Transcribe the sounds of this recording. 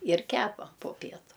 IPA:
ɪr ˈkʲæːpɐ poː ˈpʲiɛtʊ

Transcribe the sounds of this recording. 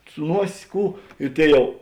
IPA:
sʊ ˈnuɔsʲ ˈkuː ɪ ˈtʲeːɪ ˈjɛʊ

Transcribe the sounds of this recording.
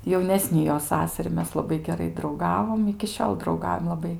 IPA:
jɛʊˈnʲæːsʲnʲɪ joː ˈsɑːsɐrʲɪ ˈmʲɛs lˠɐˈbɐɪ ɡʲɛˈrɐɪ drɐʊˈɡɑːʋoːm ɪkʲɪ ˈʃʲoːlˠ drɐʊˈɡɐʊjɛm lˠɐˈbɐɪ

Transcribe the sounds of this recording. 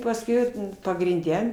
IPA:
pɐsʲˈkʲɛʊ pɐɡrʲɪnʲˈdʲɛ

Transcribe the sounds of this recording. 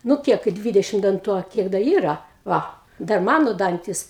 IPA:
nʊ ˈkʲiɛk kɐɪ ˈdʲʋʲɪdʲɛʃʲɪm dɐnˈtuː ɐ ˈkʲiɛk dɐ ˈiːrɐ ˈʋɐ ˈdɐr ˈmɑːnoː ˈdɐnʲtʲɪs

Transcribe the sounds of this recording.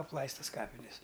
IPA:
ɐpˈlˠɐɪstɐs ˈkɑːpʲɪnʲɛs

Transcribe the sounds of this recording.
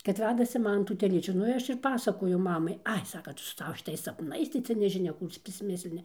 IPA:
kɐt ˈʋʲæːdɐsʲɪ ˈmɑːnɐ tuː tʲɛˈlʲiːt͡ʃʲuː ˈnʊ ɪ ˈɐʃ ɪr ˈpɑːsɐkoːjʊ ˈmɑːmɐɪ ˈɐɪ ˈsɑːkɐ ˈtʊ sʊ ˈsɑːʋɐ ʃʲɪˈtɐɪs sɐpˈnɐɪs tɐɪ ˈt͡sʲɛ nʲɛʒʲɪˈnʲɛ ˈkuː t͡sʲɛ pʲrʲɪsʲˈmʲɪsʲlʲɪnʲɪ

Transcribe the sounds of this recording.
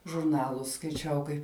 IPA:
ʒʊrˈnɑːlˠʊs skɐɪˈt͡ʃʲɛʊ kɐɪp

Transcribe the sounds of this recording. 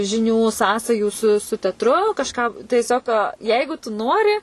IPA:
ʒʲɪˈnʲuː ˈsɑːsɐjuː sʊ sʊ tʲɛtˈrʊ kɐʃˈkɑː tʲiɛˈsʲoːk ˈjɛɪɡʊ tʊ ˈnoːrʲɪ

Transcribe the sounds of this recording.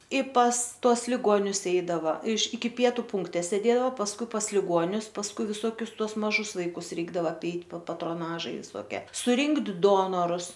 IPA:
ɪ pɐs ˈtuɔs lʲɪˈɡoːnʲʊs ˈɛɪdɐʋɐ ɪʃ ɪkʲɪ ˈpʲiɛtʊ ˈpʊŋktʲɛ sʲeːˈdʲeːdɐoː pɐsˈkʊɪ pɐs lʲɪˈɡuɔnʲʊs pɐsˈkʊɪ ʋʲɪˈsuɔkʲʊs ˈtuɔs mɐˈʒʊs ˈʋɐɪkʊs ˈrʲɛɪɡdɐʋɐ ɐpʲˈɛɪt pɐ pɐtroːˈnɑːʒɐɪ ʋʲɪsoːˈkʲiɛ sʊˈrʲɪŋkt ˈdoːnoːrʊs

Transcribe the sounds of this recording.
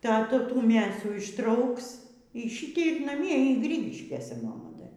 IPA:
ˈtɑː ˈtuː ˈtuː ˈmʲeːsuː ɪʃˈtrɐʊks iː ˈʃʲiːtʲɛɪ ɪr nɐˈmʲiɛ iː ˈɡrʲiːɡʲɪʃʲkʲeːsʲɛ mɐˈmɐ ˈdɐ

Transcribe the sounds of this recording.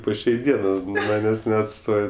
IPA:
poː ˈʃʲɛɪ ˈdʲiɛnɜ nʊ ˈmɑːnʲeːsʲ nʲɛɐtˈstoːj

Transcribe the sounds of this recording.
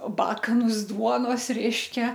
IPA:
ˈbɑːkɐnʊs ˈduɔnoːs ˈrʲɛɪʃʲkʲɛ

